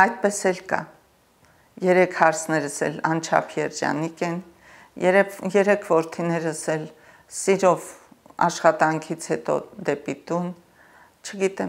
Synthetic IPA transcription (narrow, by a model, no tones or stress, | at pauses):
ɑjt̪̚pɛsɛlkɑ̰ | jɛɾɛkʰhɑɾt͡sʰnɛɾəsɛ̰lɑnt͡ʃʰɑ̰pʰjɛɾd͡ʒɑ̰nikɛn | jɛɾɛpjɛɾɛkʰvɔɾt̪ʰinɛɾəsɛl | siɾɔvɑ̰ʃχɑt̪ɑŋkʰit͡sʰhɛt̪ɔ̰d̪ɛpit̪un | t͡ʃʰəɡit̪ɛ